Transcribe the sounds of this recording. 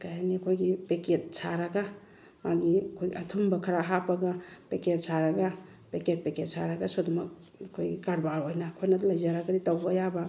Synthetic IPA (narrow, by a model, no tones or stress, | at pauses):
kajanikʰojɡipeket̚sʰaɾaɡa | maɡikʰojɡiɐtʰumbɐkʰɐɾaɦapaɡapeket̚saɾaɡa | peket̚peket̚sʰaɾaɡasɔdɔmɐk̚ | kʰojɡikaɾbaɾojnakʰojnɐlɐjzaɾaɡɐditawbajaba